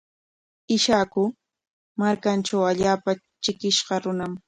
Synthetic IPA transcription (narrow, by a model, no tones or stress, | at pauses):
ɪʃakʊ | maɾkanʈ͡ʂawaʎaːpa | t͡ʃɪkɪʃɢɑɾʊnam